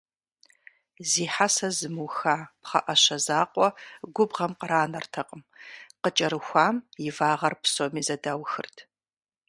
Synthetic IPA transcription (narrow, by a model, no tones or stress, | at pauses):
ziːħasɐzɨmɨwxaːpχɐ̰ʔɐɕɐzaːqʷʼɔɡʷʊbʁɐmqəɾaːnɐrtʰɐqʼəmqət͡ʃʼɐɾɨxʷaːmjɪvaːʁɐrpsomiːzɐdaːwxɨ̰rtʰ